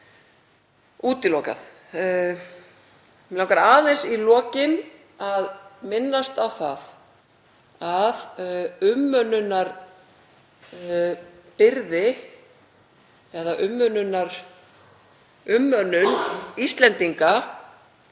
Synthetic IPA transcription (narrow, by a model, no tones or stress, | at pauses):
uːt̪ɪlɔka̰θ | lawŋkaɾaːðɛnsilɔːcɪn | aðmɪnːast̪awθað | aðʏmːœnʏnːaɾ | pɪɾðɪ | ɛðaʔʏmːœnʏnːaɾ̥ | ʏmːœnːʏnist̪lɛnt̪iŋka